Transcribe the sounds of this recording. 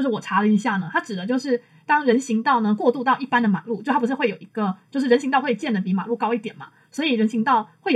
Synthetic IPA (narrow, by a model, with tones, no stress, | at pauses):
jo˧ʂɻ̩˥˩wɔ˨˩ʈ͡ʂʰa˧˥lə˨i˧˥ɕja˥˩nə˩t̪ʰa˥ʈ͡ʂɻ̩˨˩d̪ə˦t͡ɕjo˥˧ʊʂɻ̩˥˩ | t̪ɑ˥ŋɻə˧˥nɕi˧˥ŋt̪ɑ˥˩ʊnə˩kwɔ˥˧t̪u˥˧t̪ɑ˥˧ʊi˥˩pa˥nd̪ə˨ma̰˨˩˦lu˥˩t͡ɕjo˥˧ʊa˥pu˧ʂɻ̩˥˧xwe˥˩jo˨˩i˧˥ɡə˧t͡ɕjo˥˧ʊʂ̬ɻ̩˥˩ə˧˥nɕi˧ŋt̪ɑ˥˧ʊwe˥˩t͡ɕjɛ˥˩nd̪ə˩p̬i˧˥ma̰˨˩˦lu˥˩kɑ˥ʊi˥˩t̪jɛ˨˩nmɐ̰˦ | swɔ˧˥i˨˩ɻə˧˥nɕi˧˥ŋt̪ɑ˥˩ʊxwe˥˩ɪ